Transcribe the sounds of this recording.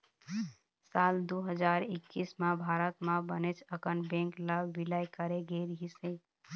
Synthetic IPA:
sald̪uɦəd͡ʒaɾɪkːismãbʱaɾət̪mãbənet͡ʃʰəkənbẽŋklabbilajkəɾeɡeɾɦise

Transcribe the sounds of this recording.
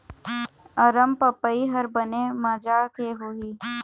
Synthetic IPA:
ɐɾəmpəpːəiɦɐɾbənemad͡ʒakeɦoːiː

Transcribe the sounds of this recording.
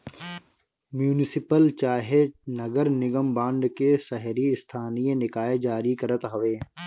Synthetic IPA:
mjuːnɪsɪpəlt͡ʃaːɦenɐɡəɾnɪɡəmbãːɳɖkesɛɦɾiɪst̪ʰaːnijẽnɪkaːed͡ʒaːɾikɐɾət̪ɦɐʋeː

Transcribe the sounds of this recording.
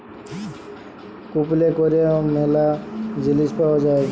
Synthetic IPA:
kuplekoɾemelad͡ʒilispaɔd͡ʒae

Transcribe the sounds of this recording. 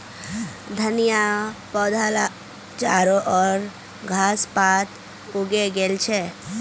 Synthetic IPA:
d̪ʱənijapɔd̪ʱala | t͡ʃaɾoʔɔːɾ | ɡʱaspat̪ | oɡeɡelt͡ʃʰe

